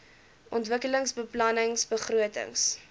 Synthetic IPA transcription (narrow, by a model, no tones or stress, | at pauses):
ʔɔntvəkələŋsbəplɐnəŋsbəχruətə̰ŋs